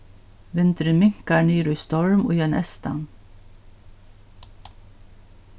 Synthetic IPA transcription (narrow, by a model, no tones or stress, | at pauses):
ʋɪnt̪əɾəmɪŋkɑɳyːɾʉːst̪ɔɹmo̰ːjɛnʔɛst̪ɑ̰n